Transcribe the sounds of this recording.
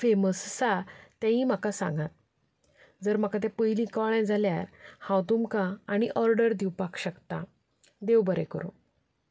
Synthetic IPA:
feməssat̪jãĩm̤akasã̰ŋɡat̪̚ | d͡zəɾm̤akat̪̬epəjlĩkəɭɛ̃d͡zʱaljaɾhãwt̪umkãːɽ̃iʔɔɾɖəɾd̪iwpakɕəkt̪a | d̪ewbəɾɛ̰kəɾõ̰

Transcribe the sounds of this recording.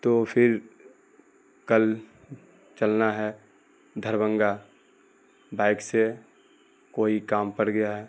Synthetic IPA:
t̪oːpʰɪɾ | kəl | t͡ʃəlnaɦɛ | d̪ʱəɾbə̃ŋɡa | baːɪkse | koːikaːmpəɽɡəjaɦɛː

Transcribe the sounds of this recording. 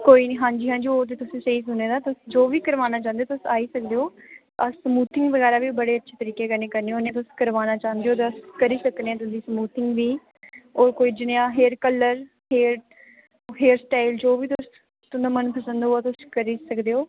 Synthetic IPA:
koːiːniːɦãːɲd͡ʒiːɦãːɲd͡ʒiːoːt̪̬eːt̪ʊsĩːsəiːs̬ʊneːd̪aːt̪ʊsd͡ʒoːʋiːkəɾʋaːnaːt͡ʃãːnd̪eoːt̪ʊsaːiːsək̚d̪eːoː | əsːmuːt̪ɪŋɡʋəɣɛːɾaːʋiːbəɽeːətːʃʰeːt̪əɾiːkeːkəɾneːkəɾneːoːnjãːt̪̬ʊskəɾʋaːnaːt͡ʃãːnd̪eoːt̪ːəskəɾiːsəkd̪ẽːɛ̃t̪ʊsiːsəmuːt̪ɪŋɡʋiː | ɔːɾkoːiːd͡ʒɪneãːɦeːɾkələɾ | heːɾ | ɦeːɾsʈaːɪld͡ʒoːʋiːt̪ʊs | t̪ʊnd̪amənpəsə̃nd̪oaːt̪ʊskəɾiːsəkd̪eːoː

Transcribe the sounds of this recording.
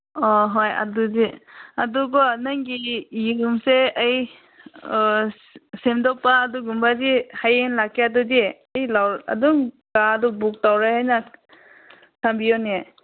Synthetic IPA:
ɔɦoja̰duziaduɡɔnaŋɡijiɡumseaj | semdɔpaːduɡumbazihajenlakʰːeadudiajlawa̰duŋ | ɡadubuk̚tawɾahajna | tʰambiɔnia

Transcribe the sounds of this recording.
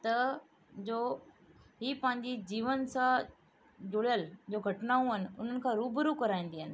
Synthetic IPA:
t̪ɐ | d͡ʑoː | ɦiːpɐ̃ɦɪ̃ɲd͡ʑid͡ʑiːʋənsã | d͡ʑʊɽjəld͡ʑoːɡʱɐʈnaːũɦənɪ̆ʊn̤ənɪ̆kʰãɾuːbəɾukɐɾaːĩːn̆d̪iɦənɪ̆

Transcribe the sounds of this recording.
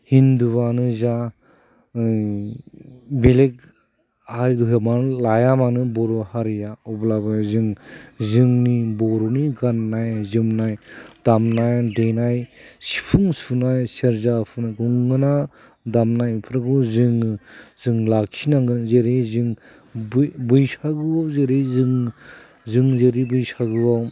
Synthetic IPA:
hinduβanɯza | belek̚ | haɾduɦmanlajamanɯbɔɾuhaɾijaɔblabazɯŋzɯŋnibɔɾuniɡanːajzɯmnajd̥amnajdenajsi̥pʰuŋsunajseɾzapʰunajɡuŋɡɯna | damnajmipʰɾaɡɯzɯŋzɯŋlakʰinaŋɡɯnzeɾejzɯŋ | bbɯjsaɡɯawzeɾezɯŋ | zɯŋzeɾibɯjsaɡɯaw

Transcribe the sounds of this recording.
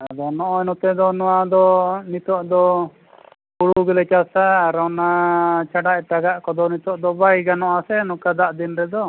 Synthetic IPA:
ad̪ɔnɔʔɔɛnɔt̪ɛd̪ɔnɔwad̪ɔnit̪ɔʔd̪ɔ | kuɽuɡɛlɛt͡ʃasaːɾɔnat͡ʃaɖaʔʈaɡaʔkɔd̪ɔnit̪ɔʔd̪ɔbajɡanɔʔasɛnɔkad̪aʔd̪inɾɛd̪ɔ

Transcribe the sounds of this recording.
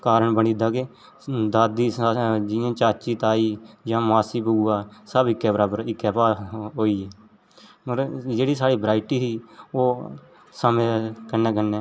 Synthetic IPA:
kaːɾəɳbəniːd̪aːke | d̪aːd̪iːd͡ʒɪãːt͡ʃaːt͡ʃiːt̪aːiːd͡ʒãːmaːsiːbəuːaːsəbɪkːɛːbəɾaːbəɾɪkːɛːpaːɦoːiːɛː | oɾd͡ʒeːɽiːsaːɽiːbɾaːɪʈiːsiːoː | səmẽːkənːɛ̃ːk̬ənːɛ̃ː

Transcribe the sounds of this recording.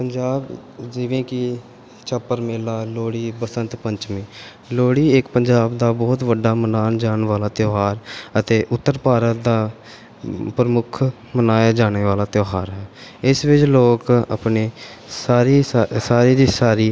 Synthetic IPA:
pəɲd͡ʒaːbd͡ʒɪʋẽːkɪ | t͡ʃəpːəɾmeːlaːloːɽiːbəsənt̪pəɲt͡ʃmiː | loːɽiːɪkpəɲd͡ʒaːbd̪aːbɔːt̪ʋəɖːaːmənaːnd͡ʒaːnʋaːlaːt̪joːɦaːɾət̪eːʔʊt̪ːəɾpaːɾət̪d̪aː | pɾəmʊkʰ | mənaːjaːd͡ʒaːɽ̃eːʋaːlaːt̪joːɦaːɾɦɛːɪsʋɪt͡ʃloːkə̰pneː | saːɾiːsaːɾiːd̪iːsaːɾiː

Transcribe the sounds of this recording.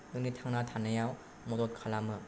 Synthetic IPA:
ɯŋnitʰaŋnatʰanajaw | mɔdɔt̚kʰalamɯ

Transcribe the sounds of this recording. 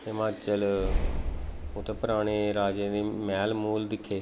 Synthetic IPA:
ɪmaːt͡ʃəl | ʊt̪ʰːepəɾaːɽ̃eːɾaːd͡ʒeːd̪eːmɛːlmuːld̪ɪkʰːeː

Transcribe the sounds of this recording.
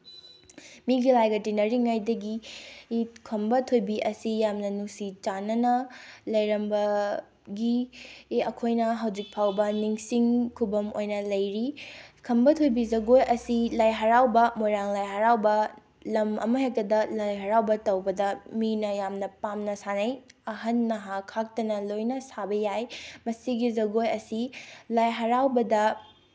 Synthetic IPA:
miɡilajɡɐtinɐɾiŋajdɐɡi | kʰɐmbɐtʰojbiʔɐsijamnɐnusit͡ʃanɐnɐlɐjɾɐmbɐ | ɡi | ɐkʰojnɐɦɐwd͡ʒik̚pʰawbɐniŋsiŋkʰubɐmojnɐlɐjɾikʰɐmbɐtʰojbizɐɡojʔɐsilajɦɐɾawbɐmojɾaŋlajɦɐɾawbɐ | lɐmɐ̰mɐɦek̚tɐdɐlajɦɐɾawbɐtɐwbɐdɐminɐjamnɐpamnɐsanɐjɐɦɐnːɐɦakʰak̚tɐnɐlojnɐsabɐjajmɐsiɡizɐɡojɐsilajɦɐɾawbɐdɐ

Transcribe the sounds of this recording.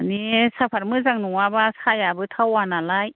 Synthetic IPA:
nisapʰaɾmɯzaŋnuŋabasajabɯtʰawanalaj

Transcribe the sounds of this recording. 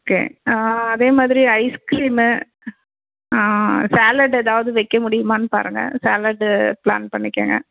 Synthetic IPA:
oːkḛːɐðeːmaːðɪɾiɐɪskɾiːm | saːlɐɖɛðaːʋɐðɯʋɛɪkːɐmʊɽɪjɯmaːnɯpa̰ːɾɯŋɡɐ̰saːlɐɖpla̰ːnpɐɳːɪkːḛːŋɡɐ̰

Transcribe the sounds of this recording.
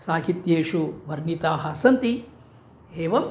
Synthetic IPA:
saːkit̪jeːʃuʋɐɾnit̪aːɦɐsɐnt̪i | ɦeːʋɐm

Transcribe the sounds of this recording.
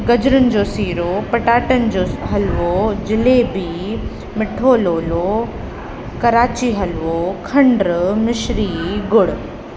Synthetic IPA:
ɡɐd͡ʑɾənɪ̆d͡ʑoːsiːɾopɐʈaːʈənɪ̆d͡ʑoːɦɐlʋod͡ʑɪlebi | mɪʈʰoːloːlo | kɐɾaːt͡ɕiɦɐlʋokʰɐ̃ɳɖɾmɪʃɾiɡʊɽ

